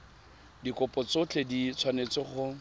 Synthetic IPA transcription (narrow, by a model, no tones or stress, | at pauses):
dikʼʊpɔt͡sʊt͡ɬʰedit͡sʰwanet͡sɪχʊ